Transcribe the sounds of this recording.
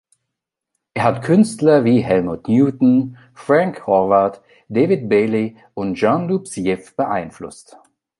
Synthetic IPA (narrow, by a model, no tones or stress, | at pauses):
ʔeːɐhatkʰʏnstlɐviːɦɛlmutnjuːtn̩ | fʁ̥aŋkʁɔvaɐt | d̥eːvɪt̚b̥eːli | ʊntʒ̥ɔnluːpsjɛfb̥əʔa̰ɪnflʊ̰st